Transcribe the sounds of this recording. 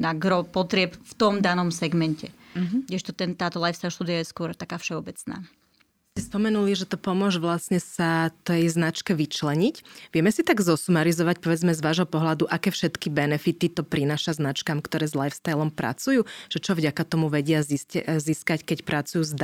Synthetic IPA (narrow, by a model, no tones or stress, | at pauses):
naɡɾɔpɔt̪ɾɪɛpft̪ɔmd̪anɔmsɛɡmɛncɛɡɟɛʃt̪ɔt̪ɛnt̪aːt̪ɔlajfst̪ajʃt̪ud̪ijajɛskʊɔɾt̪akaːfʃɛɔbɛt͡sna̰ː | scɛspɔmɛnuliʒɛt̪ɔpɔmʊɔʒʋlasɲɛsat̪ɛjznat͡ʃkɛʋit͡ʃlɛɲicʋɪɛmɛsit̪aɡzɔsumaɾizɔʋac̚pɔʋɛd͡zmɛzʋaːʒɦɔpɔɦlad̪uʔakɛːfʃɛt̪kibɛnɛfit̪it̪ɔpɾinaːʃaznat͡ʃkamkt̪ɔɾɛːzlajfst̪ajlɔmpɾʔa̰t͡sujuːʒ̥ɛt͡ʃɔvɟakat̪ɔmuʋɛɟɪazisziskackɛcpɾat͡sujuːzd̪